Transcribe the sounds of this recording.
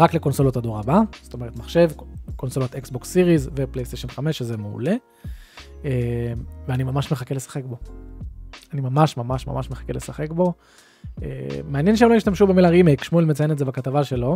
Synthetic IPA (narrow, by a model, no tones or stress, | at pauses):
ʁakle̞ko̞nso̞lotad̪oʁabast̪o̞me̞et̪maχʃe̞vko̞nso̞lot̪eksbo̞ksːiʁizveple̞jst̪eʃonχame̞ʃːezemeṵle̞ | eveanimamaʃme̞χakelesḁχe̞kbo̞ | animamaʃmamaʃma̰maʃmeχḁkelesaχe̞kbo̞ | ḛmeanjenʃ̬eemloiʃtamʃubemilaʁimejkʃmuelmet͡sajenetzebakatavaʃe̞lo̞